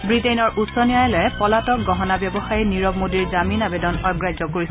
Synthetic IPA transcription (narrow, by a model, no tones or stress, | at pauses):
bɹitejnɔɹʔutsɔniajɛlɔɛpɔlatɔk̚ɡɔɦɔnabjɔbɔxajiniɹɔb̚modiɹzaminabedɔnɔjɡɹajzɔkoɹisɛ